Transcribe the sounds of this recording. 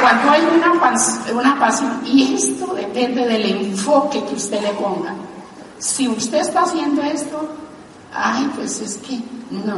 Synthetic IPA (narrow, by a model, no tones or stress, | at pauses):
kwand̪oajunapasunapasjoniest̪oðepend̪eðeleɱfokekeust̪elepoŋɡa̰ | siust̪eest̪aːsjend̪oest̪o | ajpweseskeno